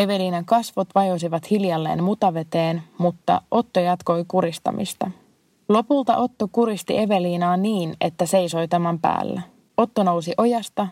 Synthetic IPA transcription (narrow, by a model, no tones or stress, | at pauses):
e̞ʋe̞liːnɑŋkɑsʋot̪ʋɑjo̞s̬iʋɑt̪hiljɑlːḛːnmut̪ɑʋe̞t̪eːnmut̪ːɑ̰ʔo̞t̪ːojɑt̪ko̞jkuɾist̪ɑ̰mʔḭst̪ɑ | lo̞pult̪ɑ̰ʔo̞t̪ːo̞kuɾist̪ḭʔe̞ʋe̞liːnɑːniːne̞̰t̪ːæse̞jso̞jt̪æmæmpæ̰ːlːæ | o̞t̪ːono̞wsiʔo̞jɑst̪ɑ